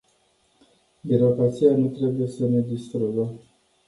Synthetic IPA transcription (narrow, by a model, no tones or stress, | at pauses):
biɾo̞kɾat̪sijanut̪ɾe̞buje̞səne̞d̪ist̪ɾuɡə